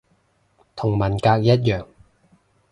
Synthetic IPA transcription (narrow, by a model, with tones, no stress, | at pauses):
t̪ʰʊ˨˩ŋmɐ˨˩nkaː˧k̚jɐ˥t̚jœː˨˩ŋ